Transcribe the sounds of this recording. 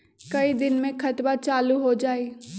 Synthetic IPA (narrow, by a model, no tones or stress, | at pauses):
kɐid̪ɪnmẽkʰɐt̪bat͡ʃaːluɦod͡ʒaːiː